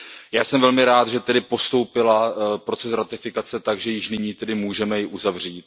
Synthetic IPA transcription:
jaːsɛmvɛlmɪɾaːd̪ʒɛt̪ɛdɪpo̞st̪o̞wpɪlapɾo̞t͡sɛsɾat̪ɪfɪkat͡sɛt̪aɡʒɛjɪʃnɪɲiːt̪ɛdɪmuːʒɛmɛjɪʔuzavr̝iːt̪̚

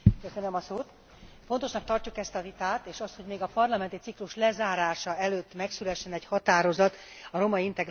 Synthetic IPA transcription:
køsønømɒsoːt̪ | fo̞nt̪o̞ʃnɒk̚t̪ɒrcukɛst̪ɒvit̪aːt̪eːʃɒst̪hoɟmeːɡɒpɒrlɒmɛnt̪it̪sikluʃlɛzaːɾaːʃɒɛløːt̪ːmɛksylɛʃːɛnɛchɒt̪aːɾo̞zɒt̪ | ɒɾo̞mɒint̪ɛɡ

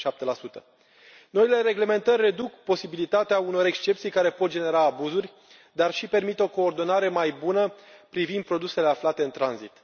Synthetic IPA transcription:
ʃap̚t̪e̞lasut̪ə | no̞ile̞ɾe̞ɡle̞me̞nt̪ərʲːe̞d̪ukpo̞sibilit̪at̪eauno̞ɾe̞kst͡ʃe̞pt̪sijkaɾe̞po̞t̪̚d͡ʒene̞ɾaːbuzurʲ | d̪arʃipe̞rmit̪o̞ko̞ːrd̪o̞naɾe̞majbunəpɾivind̪̚pɾo̞d̪use̞le̞aflat̪e̞ɨnt̪ɾanzit̪

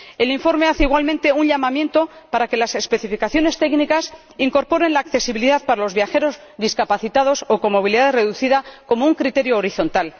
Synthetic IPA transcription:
e̞liɱfo̞ɾme̞aθeiɣwalment̪e̞unʎamamje̞nt̪o̞paɾake̞lase̞spe̞θifikaθjo̞ne̞st̪e̞knikas | iŋko̞ɾpo̞ɾe̞nlaːkθe̞siβiliðaðpaɾalo̞zβjaxe̞ɾo̞z | ðiskapaθit̪að̞o̞so̞ko̞mːo̞β̞iliðaðre̞ðuθiðako̞mouŋkɾit̪e̞ɾjoːɾiθo̞nt̪al

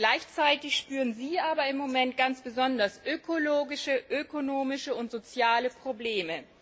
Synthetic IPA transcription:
ɡ̥laɪçt͡saɪtɪçʃpyːʁənziːʔaːbɐɪmːomɛntɡ̥ant͡sb̥əzɔndɐsʔøkʰoloːɡɪʃəʔøkonoːmɪʃəʊntz̥ot͡sjaːləpʁ̥obleːmə

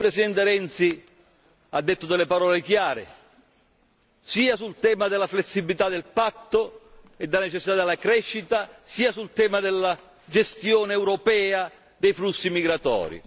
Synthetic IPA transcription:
pɾesid̪ɛnt̪eɾɛnt̪si | ad̪ːet̪ːʊd̪ɛlepaɾɔːlek̟jaːɾɪ̰ | siːasult̪ɛːmad̪ɪlːaflesːibilit̪ad̪ɪlpat̪ːʊ | ed̪ɪlanet͡ʃɛsːit̪ad̪elːakɾɛʃːit̪asiːasult̪ɛːmad̪ɪlːa | d͡ʒest̪jɔːnɛwɾɔpɛːa | d̪ejflusːimiɡɾat̪ɔ̰ːɾḭ

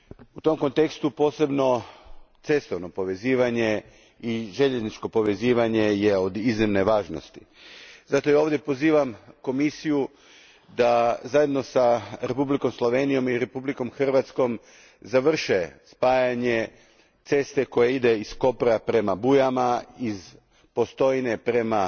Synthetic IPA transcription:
ut̪o̞mko̞nt̪e̞kst̪upo̞ːse̞bno̞t̪se̞st̪o̞ʋno̞po̞ʋe̞ziːʋaɲe̞ | iʒe̞ʎeznit͡ʃko̞po̞ʋe̞ziːʋaɲe̞je̞o̞d̪iznimne̞ʋaːʒno̰st̪i̥ | zat̪o̞jao̞ːʋdje̞po̞ziːʋamko̞misiju | d̪azaje̞d̪no̞saɾe̞publiko̞mslˠo̞ʋe̞nijo̞miɾe̞publiko̞mxr̩ʋat̪sko̞m | zaʋr̩ʃe̞spaːjaɲe̞ | t̪se̞st̪e̞ko̞jeid̪e̞isko̞pɾapɾe̞mabujamaiz | po̞st̪o̞jine̞pɾe̞ma

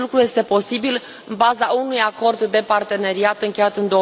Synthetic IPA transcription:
lukɾuje̞st̪e̞po̞sibil | ɨnbazaunujako̞rd̪ːe̞part̪e̞ne̞ɾiat̪ɨŋkʲe̞jat̪ɨnd̪o

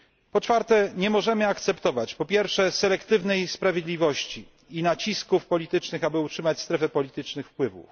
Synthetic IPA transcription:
pɔt͡ʂfaɾt̪ɛɲɛmɔʐɛmɘakt̪sɛpt̪ɔvat͡ɕpɔpʲjɛɾfʂɛsɛlɛkt̪ɘvnɛjspɾavʲjed̪lʲivɔɕt͡ɕi | inat͡ɕiskufpɔlʲit̪ɘt͡ʂnɘxabɘutʂɘmat͡ɕst̪ɾɛfɛpɔlʲit̪ɘt͡ʂnɘxfpwɘvṵf

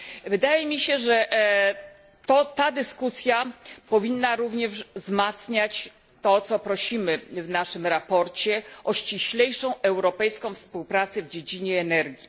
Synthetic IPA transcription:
vɘd̪ajɛmʲiɕɛʐɛ | t̪ɔt̪ad̪ɘskusʲjapɔvʲinːaɾuvɲɛʐzmat̪sɲat͡ɕ | t̪ɔt̪sɔpɾɔɕimɘvnaʂɘmɾapɔɾt͡ɕɛʔɔɕt͡ɕiɕlɛjʂɔ̃w̃ʔɛwɾɔpɛjskɔ̃w̃fspuwpɾat̪sɛvd͡ʑed͡ʑiɲɛːnɛɾɡʲji

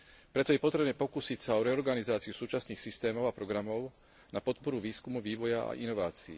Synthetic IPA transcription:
pɾɛt̪ɔjɛpɔt̪ɾɛbnɛːpɔkusicsaɔɾɛɔɾɡanizaːt͡siusuːt͡ʃasniːxsist̪ɛːmɔʊapɾɔɡɾamɔʊ | napɔt̪pɔɾuʋiːskumuʋiːʋɔjaa̰ʔinɔʋaːt͡sḭː

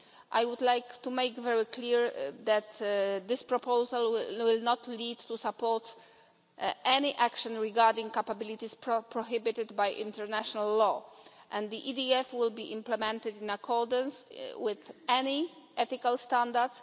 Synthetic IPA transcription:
ʔajwud̪lajkt̪umejkvɛɹikliɹðɛt̪d̪ɪspɹɔpʰowzalwwɪlnɔt̪lid̪t̪ːusapɔɹt̪ | ʔɛniʔakʃɔ̃nɹiɡaɾd̪ĩŋkapabɪlit̪isppɹɔɦɪbɪt̪ɪd̪bajʔḭ̃nt̪ɛɾnaʃɔnalːɔʔɛ̃nd̪d̪iʔid̪iɛfwɪlbiʔĩmplɛmɛ̃nt̪ɪd̪ĩnakʰɔɹd̪ə̃nswɪðɛniʔɛθikalst̪ãnd̪aɾd̪s

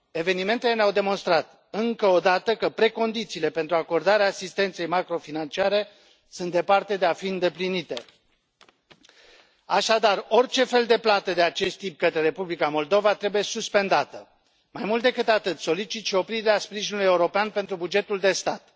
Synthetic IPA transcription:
e̞ve̞nime̞nt̪ele̞neawd̪e̞mo̞nst̪ɾat̪ | ɨŋkəo̞d̪at̪əkəpɾe̞ko̞nd̪it̪siːle̞pent̪ɾuako̞rd̪aɾeaːsist̪e̞nt̪se̞jmakɾo̞finant͡ʃiaɾe̞ | sunt̪d̪e̞part̪e̞d̪eafiɨnd̪e̞plinit̪e̞̰ | aʃad̪aro̞rʲt͡ʃe̞fe̞ld̪e̞plat̪əd̪e̞at͡ʃe̞st̪ːip̚kət̪ɾe̞ɾe̞publikamo̞ld̪o̞vat̪ɾe̞buje̞suspe̞nd̪at̪ə | majmult̪̚d̪ekɨt̪at̪ɨt̪so̞lit͡ʃit̪ʃio̞pɾideeaspɾiʒinuluje̞uɾo̞peanpe̞nt̪ɾubud͡ʒe̞t̪uld̪e̞st̪at̪

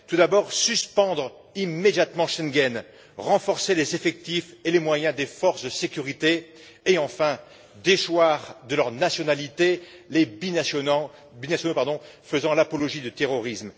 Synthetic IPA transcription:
t̪ud̪abɔʁsyspɑ̃d̪ʁ | imːed̪jat̪mɑ̃ʃɛ̃ŋɡʲɛn | ʁɑ̃fɔʁselezefɛk̚t̪ifelemwajɛ̃d̪efɔʁsd̪əsekʲyʁit̪eː | ɑ̃fɛ̃ | d̪eʃwaʁd̪əlœʁnasjɔnalit̪elebin | binasjɔnopaʁd̪ɔ̃fəzɑ̃lapɔlɔʒid̪ət̪eʁɔʁism

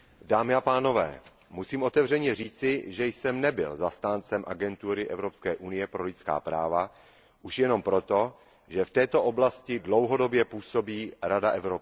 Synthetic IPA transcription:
daːmɪapaːno̞vɛ̰ː | musiːmʔo̞t̪ɛvr̝ɛɲɛriːt͡sɪʒɛjsɛmnɛbɪ̰lzast̪aːnt͡sɛmʔaɡɛnt̪uɾɪʔɛvɾopskɛːʔunɪjɛpɾo̞lɪt͡ska̰ːpɾaːva | ʔuʃjɛno̞mpɾo̞t̪o̞ | ʒɛft̪ɛːt̪o̞ʔo̞blascɪdlo̞wɦo̞do̞bjɛpuːso̞biːɾadaʔɛvɾop

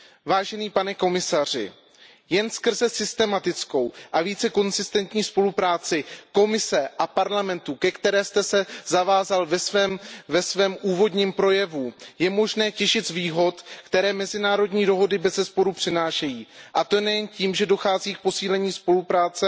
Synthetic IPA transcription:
vaːʒɛniːpanɛko̞mɪsar̝ɪ̰ | jɛnskr̩zɛsɪst̪ɛmat̪ɪt͡sko̞wʔaviːt͡sɛko̞nzɪst̪ɛnt̪ɲiːspo̞lupɾaːt͡sɪko̞mɪsɛʔapaɾlamɛnt̪ukɛkt̪ɛɾɛːst̪ɛsɛzavaːzalvɛsvɛːmvɛsvɛːmʔuːvo̞dɲiːmpɾo̞jɛvujɛmo̞ʒnɛːcɛʃɪt̪zviːɦo̞t̪kt̪ɛɾɛːmɛzɪnaːɾo̞dɲiːdo̞ɦo̞dɪbɛzɛspo̞ɾupr̝̥ɪnaːʃɛjiːʔat̪o̞nɛjɛnciːmʒɛdo̞xaːziːk̚po̞siːlɛɲiːspo̞lupɾaːt͡sɛ

